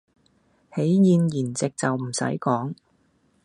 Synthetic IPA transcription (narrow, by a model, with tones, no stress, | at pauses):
he˨˥jjiː˨˧njiː˨˩nt͡sɪ˨k̚t͡sɐ˨wm̩˨˩sɐ̰˨˥jkɔː˨˥ŋ